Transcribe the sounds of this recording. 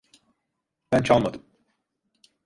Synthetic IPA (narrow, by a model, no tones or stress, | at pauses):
bænt͡ʃʰalˠmad̪ɯm